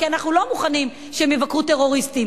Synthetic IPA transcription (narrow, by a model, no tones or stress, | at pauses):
kianaχnulo̞muχanim | ʃeemevakʁut̪eʁo̞ʁistim